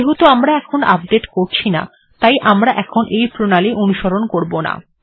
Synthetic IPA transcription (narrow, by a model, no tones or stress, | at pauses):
eɦot̪oamɾaɛkʰonap̚ɖeʈkoɾt͡ɕʰina̰ | t̪ajʔamɾaʔɛkʰonʔejpɾonaliʔonuʃoɾonkoɾbona̰